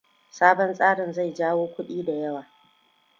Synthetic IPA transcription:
saː˦bɔ˦nsʼaː˦ɽɪ˨nza˦˨jd͡ʒaː˦woː˦kʷʊ˦ɗiː˦da˨jɐ˦waː˨

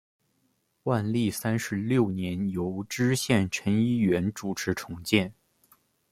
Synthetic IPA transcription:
wa˥˧nli˥˩sa˥nʂɻ̩˧˥ljo˥˩ʊnjɛ˧˥njo˧˥ʊʈ͡ʂɻ̩˥ɕjɛ˥˩nʈ͡ʂʰə˧˥ni˥ɥɛ˧˥nʈ͡ʂu˨˩ʈ͡ʂʰɻ̩˧˥ʈ͡ʂʰʊ˧˥ŋt͡ɕjɛ˥˩n

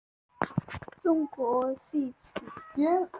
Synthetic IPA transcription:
ʈ͡ʂʊ˥ŋkwɔ˨˧˥ɕi˥˩t͡ɕʰy˨˩˦

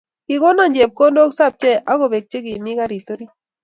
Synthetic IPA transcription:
ki˨ko˦na˦˨ɲd͡ʒɛ˨p̚ko˦ndo˦ksa˦˨p̚t͡ʃɛ˦˨ʔa˦ko˨βe˨k̚t͡ʃe˦ki˨mi˦ka˦ɾi˨to˦ɾi˦

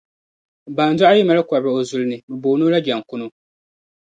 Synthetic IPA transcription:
baː˨n˦da˦a˦i˦ma˦lɨ˦ka˨bɨ˨o˨zu˦lnɨ˨mɨ˨boː˨nu˦la˦d͡ʒa˨ŋ˨kʊ˦nu˦

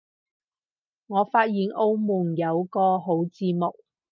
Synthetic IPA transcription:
ŋɔː˨˧faː˧t̚jiː˨˧nʔo˥wmuː˨˩njɐ˨˧wkɔː˧ɦo˨˥wt͡siː˧mo˨k̚

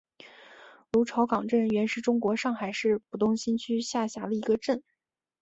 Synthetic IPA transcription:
lu˧˥ʈ͡ʂʰɑ˧˥ʊkɑ˨˩ŋʈ͡ʂə˥˩nɥɛ˧˥nʂɻ̩˥˩ʈ͡ʂʊ˥ŋkwɔ˧˥ʂɑ˥˩ŋxa˨˩ɪʂɻ̩˥˩pu˨˩t̪ʊ˥˧ŋɕi˥nt͡ɕʰy˥ɕja˥˩ɕja˧˥lə˧i˧˥ɡə˧ʈ͡ʂə˥˩n

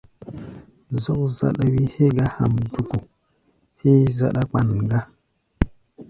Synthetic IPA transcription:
zo˦kza̰˨ɗa˨wi˦he˦ɡa˦ha̰˨mdu˨ko˨ | he˦za̰˨ɗa˦k͡pa˨n˨ɡa˦

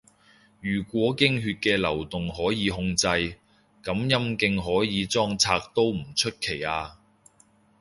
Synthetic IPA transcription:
jyː˨˩kʷɔː˨˥kɪ˥ŋɦyː˧t̚kɛː˧lɐ˨˩wt̪ʊ˨ŋɦɔː˨˥jiː˨˧ɦʊ˧ŋt͡sɐ˧j | kɐ˨˥mjɐ˥mkɪ˧ŋɦɔː˨˥jiː˨˧t͡sɔː˥ŋt͡sʰaː˧k̚t̪o˥wm̩˨˩t͡ʃʰɵ˥t̚kʰe˨˩jaː˧

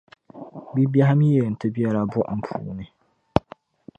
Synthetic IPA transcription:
bi˦ba˦ɦa˦mi˦je˨n̩˨tʰɪ˦bi˦ɛ˦ɾa˦bʊ˦ʔm̩˦pʰṵː˨nɪ̃˦

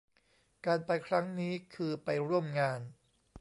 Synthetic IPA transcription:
kaː˧npa˧jkʰɾa˦˥ŋniː˦˥kʰɯː˧pa˧jɾu˥˩əmŋaː˧n

